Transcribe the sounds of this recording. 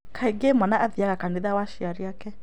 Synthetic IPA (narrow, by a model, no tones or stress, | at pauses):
kʰaiɡemwanaʔaðiaɣakaniðawaʃiaɾiakɛ